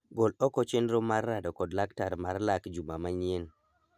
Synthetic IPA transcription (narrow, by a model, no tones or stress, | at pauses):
ɡolɔkɔt͡ʃɪnɾomarːadɔkɔdlaktaɾmarlakd͡ʒumamaɲin